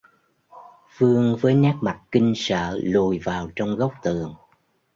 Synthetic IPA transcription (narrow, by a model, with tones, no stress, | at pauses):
fɨ˧əŋvəː˨˦jnaː˦˥k̚ma˨˩t̚ki˧ŋ̟sə̰ː˧˨lu˨˩jvaː˨˩wt͡ɕɔ˧wŋ͡mɣə˦˥wk͡p̚t̪ɨ˨˩əŋ